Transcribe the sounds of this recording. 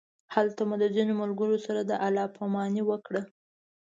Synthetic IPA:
halt̪amud̪əzinomʊlɡəɾosaɾad̪əʔalɑpʰamɑniwəkɽə

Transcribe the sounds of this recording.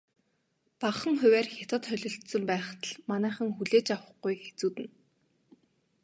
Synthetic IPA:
paχə̆ŋχʊ̟wæːrxʲat̪ə̆t̪χœɮʲɞ̆ɬt̪sə̆mpæːχt̪ə̆ɮmanæːχə̆ŋxuɮeːt͡ɕawə̆χɡujxe̥t͡suːt̪ɘ̆n

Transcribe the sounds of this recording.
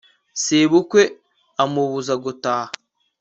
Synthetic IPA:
seβukʷe | amuβuzaɡutaː

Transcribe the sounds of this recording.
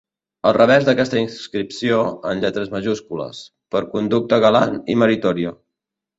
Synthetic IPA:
əlˠrəβ̞ɛzðəkɛst̪əinsskɾipsioənʎɛt̪ɾəzməʒuskulə̰s | pəɾkund̪uk̚t̪əɣəlanḭməɾit̪ɔɾiə

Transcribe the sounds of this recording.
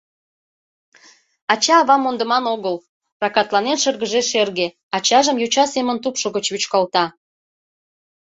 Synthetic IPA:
ɑt͡ɕɑːβɑmond̪əmɑnoɣəl | prɑkɑt̪lɑnenʃərɣəʒeʃerɣe | ɑt͡ɕɑʒəmjut͡ɕɑsemənt̪upʃoɣət͡ɕβyt͡ɕkɑlt̪ɑ

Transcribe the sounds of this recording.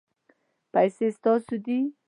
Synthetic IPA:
pajsest̪ɑsud̪i

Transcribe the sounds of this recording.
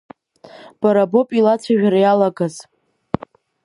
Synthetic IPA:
b̥aɾabo̞pʼilat͡sʷʰaʒᶣaɾajalaɡaz

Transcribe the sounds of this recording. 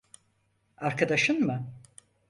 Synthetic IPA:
aɾkʰad̪aʃɯnmɯ

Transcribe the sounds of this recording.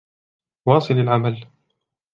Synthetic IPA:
wɑːsˤɨlalʕamal

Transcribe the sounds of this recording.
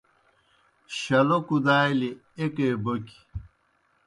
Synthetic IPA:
ɕɐlokud̪aːili | ekeboki̥

